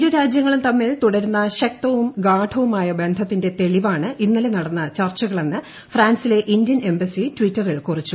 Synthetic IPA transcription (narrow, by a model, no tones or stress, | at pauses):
ɾuɾaːd͡ʑjɐŋːɐɭumt̪ɐmːiɭt̪uɽɐɾunːɐɕɐk̚t̪ɐʋumɡaːʈʰɐʋumaːjɐbe̞nd̪ʱɐt̪ːinde̞t̪e̞ɭiʋaːɳɨinːɐlenɐɽɐnːɐt͡ɕɐrt͡ɕɐɣɐɭe̞nːɨ | fraːnsile̞ʔindjɐne̞mbɐsitʋitːɐrilkurit͡ɕːu